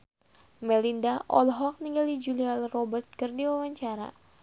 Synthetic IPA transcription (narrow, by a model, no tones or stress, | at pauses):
mɛlindaʔɔlɦɔk̚niŋɡalid͡ʒulialrɔbərt̪̚kɨrdiwawaɲt͡ʃaɾa̰